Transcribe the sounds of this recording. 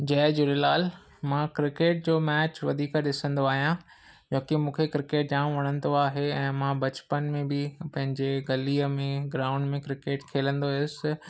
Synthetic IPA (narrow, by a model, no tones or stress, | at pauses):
d͡ʑɛːd͡ʑʊɾɪlaːl | mãːkɾɪkeːʈ̚d͡ʑoːmɛːt͡ɕʋɐd̪ʱiːkɗɪsə̃nd̪oaːɦijã | d͡ʑɐ̃ːkimũːkʰekɾɪkeːʈ̚d͡ʑãːm̃ʋɐɽ̃ə̃nd̪oaːɦeɛ̃ːmãːbɐt͡ɕpənmẽbɪpɐ̃ɦɪ̃ɲd͡ʑeɡɐliəmẽɡɾaːʊ̃ɳɖmẽkɾɪkeːʈkʰeːlə̃nd̪oɦʊs